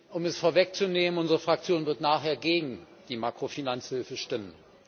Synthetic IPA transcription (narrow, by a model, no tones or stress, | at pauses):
ʔʊmɛsfoːɐvɛkt͡suneːmənʔʊnzəʁəfʁ̥ak̚t͡sjoːnvɪɐtnaːχheːɐɡeːɡŋ̩ | d̥iːmakʁ̥ofinant͡shɪlfəʃtɪmən